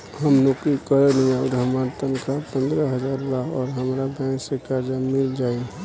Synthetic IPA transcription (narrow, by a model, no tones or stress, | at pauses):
ɦəmnokikəɾeləjaʊɾəmaɾt̪ənkʰapə̃nd̪ɾəɦəd͡ʒaːɾlaɔːɾɦəmɾabɛ̃ksekaɾd͡ʒamɪld͡ʒaːi